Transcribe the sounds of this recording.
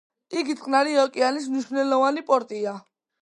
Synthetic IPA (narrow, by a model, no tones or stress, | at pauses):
iɡit̪ʼqʼnaɾiɔkʼianis̬mniʃvnɛlɔvanipʼɔɾt̪ʼia